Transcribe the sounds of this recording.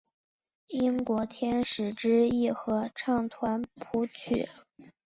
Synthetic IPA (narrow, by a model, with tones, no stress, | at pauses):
i˥ŋkwɔ˧˥t̪ʰjɛ˥nʂɻ̩˨˩ʈ͡ʂɻ̩˥i˥˩xɤ˧˥ʈ͡ʂʰɑ˥˩ŋt̪ʰwa˧˥npʰu˧˥t͡ɕʰy̰˨˩˦